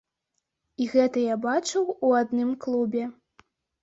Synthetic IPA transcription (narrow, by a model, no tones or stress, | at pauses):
iɣɛt̪ɐjabat͡ʂɨwuad̪nɨmklˠubʲɛ